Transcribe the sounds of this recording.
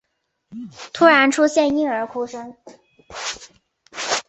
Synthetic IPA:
t̪ʰu˥ɻa˧˥nʈ͡ʂʰu˥ɕjɛ˥˧ni˥ŋə˞˧˥kʰu˥ʂə˥ŋ

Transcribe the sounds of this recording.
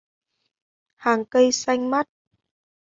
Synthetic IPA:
haː˨˩ŋkə˧jsa˧jŋ̟ma˦˥t̚

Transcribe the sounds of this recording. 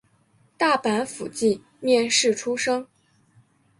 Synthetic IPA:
t̪a˥˩pa˧˥nfu˨˩t͡ɕi˥˩ | mjɛ˥˧nʂɻ̩˥˩ʈ͡ʂʰu˥ʂɤ˥ŋ

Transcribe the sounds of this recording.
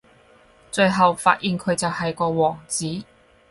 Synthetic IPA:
t͡sɵ˧ɥɦɐ˨wfa̰ː˧t̚jiː˨˧nkʰɵ˨˧ɥt͡sɐ˨whɐ˨jkɔː˧wɔː˨˩ŋt͡siː˨˥

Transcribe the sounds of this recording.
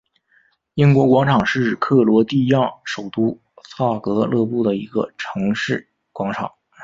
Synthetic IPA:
i˥ŋkwɔ˧˥kwɑ˧˥ŋʈ͡ʂʰɑ˨˩ŋʂɻ̩˥˩kʰɤ˥˩lwɔ˧˥t̪i˥˧jɑ˥˩ŋʂo˨˩ʊt̪u˥ | sʰa˥˩kɤ˧˥lɤ˥˧pu˥˩d̪ə˩i˧˥ɡə̰˧ʈ͡ʂʰɤ˧˥ŋʂɻ̩˥˩ | kwɑ˧˥ŋʈ͡ʂʰɑ˨˩˦ŋ

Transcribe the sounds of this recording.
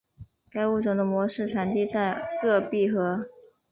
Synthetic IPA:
ka˥ɪu˥˩ʈ͡ʂɤ˨˩ŋd̪ə˧mwɔ˧˥ʂɻ̩˥˩ʈ͡ʂʰa˨˩nt̪i˥˧t͡sa˥˧ɪkɤ˥˧pi˥˩xɤ˧˥

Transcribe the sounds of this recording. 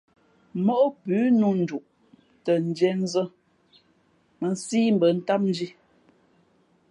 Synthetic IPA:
mɔ˦ʔo˦pʉː˨˦nu˦n̩˨d͡ʒu˨ʔ | tə˨n̩˨d͡ʒɛ˦n˦zə˦ | mə˨n˦siː˦m̩˦bə˨n̩˦ta˦p̚n̩˦d͡ʒi˦

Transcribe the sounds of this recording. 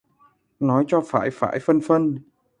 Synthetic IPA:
nɔ˨˦jt͡ɕɔ˧faː˧˩jfa̰ː˧˩jfə˧nfə˧n

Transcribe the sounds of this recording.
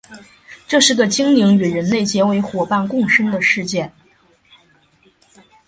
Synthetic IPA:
ʈ͡ʂɤ˥˧ʂɻ̩˥˩ɡə˩t͡ɕi˥ŋli˧˥ŋy˨˩ɻə˧˥nle˥˩ɪt͡ɕjɛ˧˥we˧˥ɪxwɔ˨˩pa˥˧nkʊ˥˩ŋʂə˥ŋd̪ə˨ʂɻ̩˥˧t͡ɕjɛ˥˩n

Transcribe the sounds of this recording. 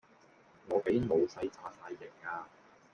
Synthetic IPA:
ŋɔː˨˧ke˨˥jmo˨˧wsɐ˧jt͡sʰaː˧saː˧jːɪ˨˩kːaː˧

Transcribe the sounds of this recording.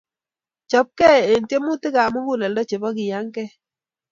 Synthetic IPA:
t͡ʃɔ˨p̚kɛ˦˨e˨n˨tje˦mu˦tɪ˦ka˨mu˦ŋɡu˦˨lɛ˨ldɔ˦t͡ʃe˨bɔ˦kɪ˨ja˨˦ŋkɛ˦

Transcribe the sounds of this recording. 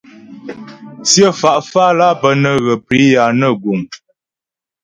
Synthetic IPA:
sjə˦fa˨ʔfa˦la˦pə˨nə˦ɣə˨pɾi˨˦ja˨nə˦˨ɡu˨ŋ

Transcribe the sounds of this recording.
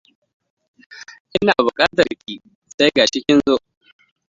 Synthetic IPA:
ʔɪ˦naː˨bʊ˨kʼaː˦tɐ˨rkʲiː˦ | sa˦jɡaː˨ʃɪ˦kʲɪ˦nzoː˦ʔ

